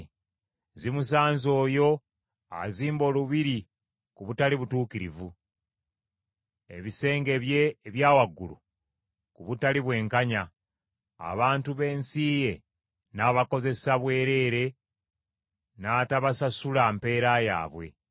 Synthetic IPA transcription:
zimus̬aːnzo̞ːjo̞ | a̰ziːmbo̞ːluβiɾi | kuβutaliβutuːkiɾḭvu | e̞̰βise̞ːŋɡe̞βje̞ːβjaːwaɡːulṵ | kuβutaliβwe̞ːŋkaɲa̰ː | βaːntuβe̞ːnsiːje̞ | naβako̞ze̞saβwe̞ːɾe̞ɾe̞ | naːtaβasasulampe̞ːɾaja̰ːβwe̞̰

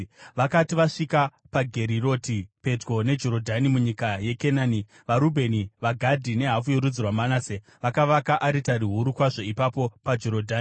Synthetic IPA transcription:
ʋakatiʋaʂika | paɡʱeɾiro̞tipe̞d͡ʒɡo̞ne̞d͡ʒo̞ɾo̞dʱanimuɲikaje̞kenaːni | ʋaɾubʱe̞niʋaɡʱadʱine̞ɦafujoɾud͡zirwamanase | ʋakaʋakaʔaɾitaɾiɦuɾukwaʐo̞ipapo̞pad͡ʒo̞ɾodʱaːni

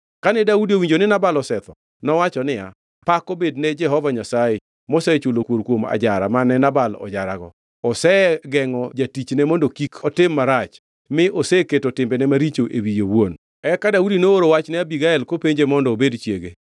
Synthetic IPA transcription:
kanɛdaudiowiɲd͡ʒonɪnabalɔsɛt̪ɔ | nɔwat͡ʃɔnɪja̰ | pakobednɛd͡ʒɛɦɔvaɲasaje | mosɛt͡ʃulokwoɾkwoma̰d͡ʒaɾa̰manɛnabalɔ̰d͡ʒaɾa̰ɡɔ | ɔsɛɡɛŋɔd͡ʒatit͡ʃnɛmɔndokikʰɔtɪmːaɾat͡ʃ | mɪʔosɛketotɪmbɛnɛmaɾit͡ʃoʔewijowwon | ɛkadaudinooɾowat͡ʃnɛabiɡaɛlkopeɲd͡ʒemɔndɔːbedt͡ʃjḛɡe

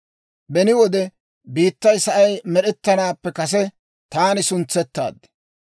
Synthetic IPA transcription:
bɛnɪwɔd̪ɛ | biːt̪ːɐjsɐʔɐjmɛɗɛt̪ːɐnaːpːɛkɐs̬ɛ | t̪aːnɪsʊnt͡sːɛt̪ːa̰ːd̪

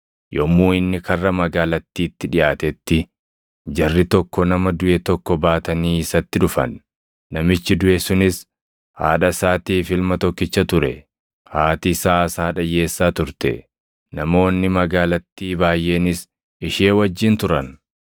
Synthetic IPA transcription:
jɔmːuːɪnːɪkʰɐrːɐmɐɡaːlɐt̪ːiːt̪ːɪᶑɪʔaːt̪ɛt̪ːɪ | d͡ʒɐrːɪt̪ɔkːɔnɐmɐd̪ʊʔɛt̪ɔkːɔbaːt̪ɐniːɪsɐt̪ːɪᶑʊfɐ̰nː | ɐmɪt͡ʃːɪd̪ʊʔɛsʊnɪs | ha̰ːᶑɐsaːt̪iːfɪlmɐt̪ɔkːɪt͡ʃːɐt̪ʊɾɛ̰ | haːt̪ɪsaːɐsaːᶑɐjːe̞ːsːaːt̪ʊɾt̪ɛ̰ | nɐmo̞ːnːɪmɐɡaːlɐt̪ːiːbaːjʔeːnɪs | ɪʃe̞ːwɐd͡ʒːɪnt̪ʊɾɐn

